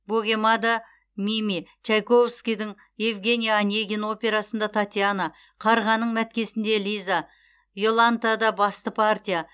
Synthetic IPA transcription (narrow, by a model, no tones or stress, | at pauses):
boɡʲe̞mad̪ɑ | mimʲit͡ʃʰajko̞vskʲijd̪ɪŋ | jevɡʲe̞nʲijaːnʲeɡʲino̞pʲe̞ɾasənd̪ɑt̪ʰat̪ʲijana | qʰɑɾʁɑnːəɴmæt̪̚kʲe̞sɪnd̪e̞lʲijza | jo̞lˠant̪ad̪ɑbɑst̪əpʰart̪ʲija